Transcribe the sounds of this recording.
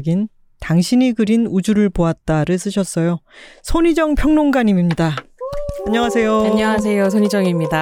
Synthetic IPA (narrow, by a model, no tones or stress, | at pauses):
ɡin | taŋɕʰiɲiɡɯɾinud͡ʑuɾɯɭpoat̚t͈aɾɯɭs͈ɯɕʰʌs͈ʌjosʰoɲid͡ʑʌŋpʰjʌŋnoŋɡaɲimimɲida | aɲːʌŋasʰe̞joaɲʌŋas̬ʰe̞jos̬ʰoɲid͡ʑʌŋimɲida